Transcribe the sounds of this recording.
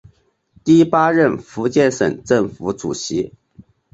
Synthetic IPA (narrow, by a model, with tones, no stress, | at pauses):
t̪i˥˩˥pa˥ɻə˥˩nfu˧˥t͡ɕjɛ˥˩nʂə̰˨˩ŋʈ͡ʂɤ˥˩ŋfu˧˥ʈ͡ʂṵ˨˩ɕi˧˥